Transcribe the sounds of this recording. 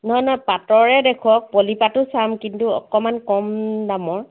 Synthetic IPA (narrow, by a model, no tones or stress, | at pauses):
nɔɦɔjnɔjpatɔɹɛdekʰɔk̚polipatʊsamkintuɔ̰kɔmankɔmdamɔɹ